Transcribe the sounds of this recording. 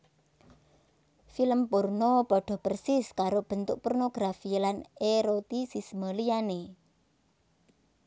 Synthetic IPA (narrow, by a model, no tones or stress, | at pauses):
filəmpʊrnopɔɖ̥ɔ̤pərsɪskaɾob̥ə̤nt̪ʊ̰k̚pɔrnoɡ̥ɾafilaneɾot̪isisməlijane